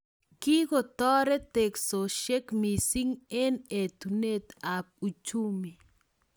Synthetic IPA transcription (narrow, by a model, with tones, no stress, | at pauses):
ki˦ɡɔ˨t̪ɔ˦ɾɛ˦t̪e˨kso˨ʃɛ˦kmi˨si˦ŋɛ˦ne˨t̪u˨ne˦t̪a˨p̚u˨t͡ʃu˦mi˨